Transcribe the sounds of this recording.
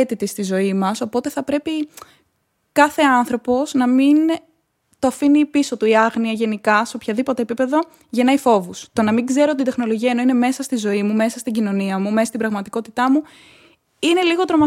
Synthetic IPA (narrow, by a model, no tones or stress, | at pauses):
et̪it̪est̪izo̞imɐso̞po̞t̪e̞θɐpɾe̞pi | kɐθe̞ɐnθɾo̞po̞znɐmin | t̪oɐfinipiso̞t̪uiɐɣniɐʝe̞nikɐseo̞pçɐðipo̞t̪epipe̞ðo̞ | ʝe̞nɐifo̞vust̪onɐmiɡze̞ɾoot̪id̪e̞xno̞lo̞ʝiɐeno̞ine̞me̞sɐst̪izo̞imume̞sɐst̪iɟino̞niɐmumɐst̪ibɾɐɣmɐt̪iko̞t̪it̪ɐmu | ine̞liɣo̞t̪ɾo̞mɐ